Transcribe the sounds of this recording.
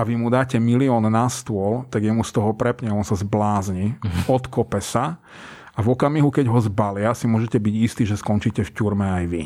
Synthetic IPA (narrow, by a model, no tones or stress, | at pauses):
aʋimud̪aːcɛmiliɔːnːast̪ʊɔlt̪aɡjɛmust̪ɔɦɔpɾɛpɲɛɔnsazblaːzɲiɔt̪kɔpɛsa | avɔkamiɦukɛɟɦɔzbalɪasimʊɔʒɛcɛbiɟist̪iːʒɛskɔnt͡ʃicɛfcuɾmɛajʋi